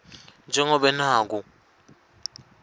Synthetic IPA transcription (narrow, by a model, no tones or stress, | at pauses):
nd͡ʒʱɛŋɔɓɛnaːk̬u